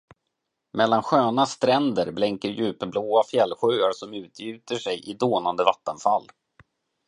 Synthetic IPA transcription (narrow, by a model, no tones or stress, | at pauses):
mɛlːanɧøːnast̪ɾɛnd̪əɾblɛŋkəɾjʉ̟ːpəbloːafjɛlːɧʏːaɾʂɔmʉ̟ːt̪ʰjʉ̟ːt̪əʂɛjʔɪd̪oːnand̪əvat̪ːənfalː